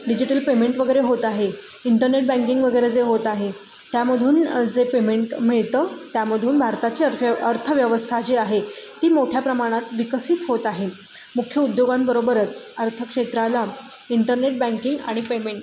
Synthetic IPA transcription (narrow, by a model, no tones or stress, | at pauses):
ɖid͡ʑiʈəlpemeɳʈʋəɡəjɾeɦot̪aɦeiɳʈəɾneʈ̚bãŋkiŋɡʋəɡəjɾed͡zeɦot̪aɦe | t̪jaməd̪ʱuːnd͡zepemeɳʈmiɭt̪əːt̪jaməd̪ʱuːnbʱaɾt̪at͡ɕeəɾt̪ʰəʋjəʋəst̪ʰat͡ɕeaɦet̪iːmoʈʰjapɾəmaɽ̃at̪ʋikəsiːt̪ɦot̪aɦe | mukʰjəud̪joɡambəɾobəɾət͡səɾt̪ʰəkʂet̪ɾala | iɳʈəɾneʈ̚bãŋkiŋɡa̰ɽ̃ipemeɳʈ